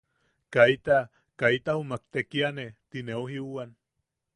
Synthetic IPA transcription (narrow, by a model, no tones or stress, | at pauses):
kait̪a | kait̪ahumak̚t̪ekianet̪ineuɦiuan